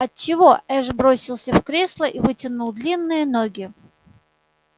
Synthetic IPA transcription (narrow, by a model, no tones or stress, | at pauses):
ɐt̚t͡ɕɪvo̞ɛʐbɾosʲɪlˠsʲəfkɾʲeslˠəʔivɨtʲɪnulˠd̪lʲinːɨjənoɡʲɪ